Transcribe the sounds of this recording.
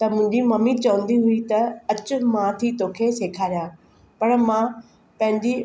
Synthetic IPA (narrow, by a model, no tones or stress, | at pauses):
t̪ɐmʊ̃ɪ̃ɲd͡ʑimɐmit͡ɕɐʋə̃nd̪iɦʊit̪ɐɐt͡ɕʊ̆mãt̪ʰit̪oːkʰeseːkʰaːɾijaː | pɐɽmã | pɐ̃ɦɪ̃ɲd͡ʑi